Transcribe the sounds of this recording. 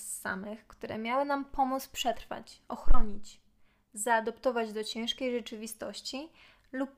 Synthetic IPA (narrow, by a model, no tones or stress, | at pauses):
a̰mɘxkt̪uɾɛ̰mʲjawɘnampɔmut̪spʂɛt̪ɾfa̰t͡ɕɔxɾɔɲit͡ɕ | zaːd̪ɔpt̪ɔvad͡ʑd̪ɔt͡ɕɛ̃ʂkʲejʐɛt͡ʂɘvʲist̪ɔɕt͡ɕi | lup